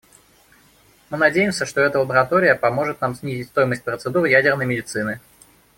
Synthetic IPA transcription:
mɨnɐdʲejɪmsʲəʂt̪oɛt̪əlˠəbəɾɐt̪o̞ɾʲɪjəpɐmo̞ʐɨt̪namsʲnʲizʲɪtʲst̪o̞jɪməsʲt̚ʲpɾət̪sɨd̪uɾɨjædʲɪrnəjmʲɪdʲɪt̪sɨnɨ

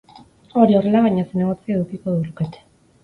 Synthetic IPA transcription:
o̞ɾio̞re̞laβaɲaseneɣot͡siaðukikoðuluket̪e̥

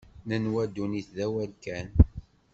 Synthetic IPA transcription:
nənwæd̪ːuniθðæwælkæn

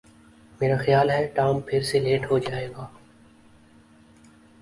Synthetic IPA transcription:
meːɾaːxəjaːlɦɛːʈaːmpʰɪɾseːleːʈɦoːd͡ʒaːeːɡaː

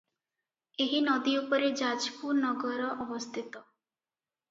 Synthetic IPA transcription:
eɦinɔd̪iupɔɾed͡ʒad͡ʒkunɔɡɔɾɔʔɔbɔst̪ʰit̪ɔ

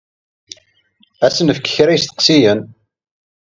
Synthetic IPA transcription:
æsənəfəkːə̥çɾæjəst̪ə̥qsijən

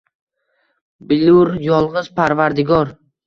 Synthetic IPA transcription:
bɪluɾjɒlˠʁɨzpʰaɾvaɾd̪ɪɡɒɾ

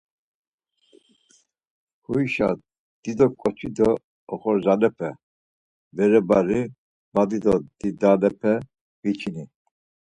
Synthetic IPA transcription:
huiʃa̰ | d̪̥id̪ɔkʼɔt͡ʃʰid̪ɔː | χɔɾzalɛpʰɛ | bɛɾɛbaɾi | bad̪id̪ɔd̪id̪alɛpʰɛ | vit͡ʃʰini

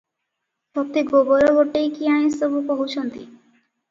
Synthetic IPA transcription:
ʃɔp̚t̪iɡoboɾoɡoʈejkiaɽ̃ĩst̪obupoɦut͡ɕʰɔnt̪ḭ

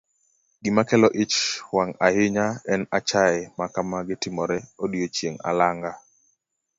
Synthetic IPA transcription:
ɡɪmakɛlɔʔɪt͡ʃwaŋajɪɲaɛnat͡ʃaɪmakamaɡɪtɪmɔɾɛodjot͡ʃjeŋa̰laŋɡa

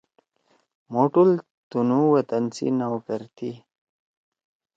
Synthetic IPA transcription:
moʈul | t̪unuwɐt̪ənsḭnawkəɾt̪ʰi

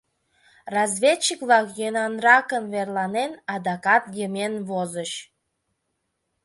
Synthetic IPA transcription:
rɑzvʲet͡ɕːikβlɑkjønɑnrɑkənβerlˠɑnenɑd̪ɑkɑt̪jəmenβozəɕ

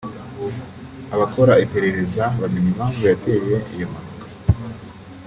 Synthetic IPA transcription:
aβako̞ɾaipe̞ɾe̞ɾe̞zaβamiɲimaŋjate̞je̞ʔḭjomanokḁ

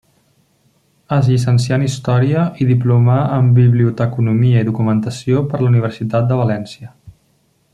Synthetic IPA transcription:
əzʎisənsianist̪ɔɾiəʔiðiplumaəmbiβliut̪əkunumiəiðukumənt̪əsiopəɾləuniβəɾsit̪at̪̚d̪əβəlɛnsiə

